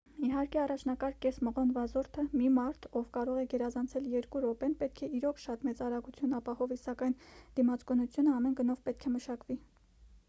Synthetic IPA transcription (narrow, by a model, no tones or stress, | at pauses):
iɦɑɾkɛɑrɑt͡ʃʰnɑkɑɾkɛsməʁɔnvɑzɔɾt̪ʰəmimɑɾt̪ʰɔvkɑɾɔʁɛɡɛɾɑzɑnt͡sʰɛljɛɾkuɾɔpɛnpɛt̪̚kʰɛiɾɔkʃɑt̪mɛt͡sɑɾɑɡut͡sʰjunɑpɑhɔvisɑkɑjnd̪̥imɑt͡skɔnut͡sʰjunəɑmɛnɡənɔvpɛt̪̚kʰɛməʃɑkvi